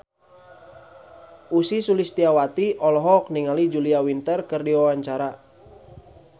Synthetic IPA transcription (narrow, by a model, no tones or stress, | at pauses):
usisulist̪iawat̪iʔɔlɔɦɔk̚niŋalid͡ʒuliawint̪ərkərdiwawaɲt͡ʃaɾa